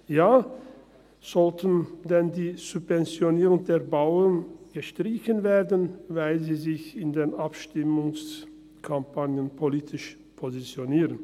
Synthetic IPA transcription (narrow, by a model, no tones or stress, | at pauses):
jaː | z̥ɔltən̩dɛndiːz̥ʊpvɛnt͡sjoniːʁʊŋdeːɐbaʊənɡ̥əʃtʁ̥ɪçənveːɐdən̩vaɪlziːzɪçɪndeːnʔapʃtɪmʊŋs | kʰampʰanjənpʰoliːtʰɪʃ | pʰozit͡sjoniːʁən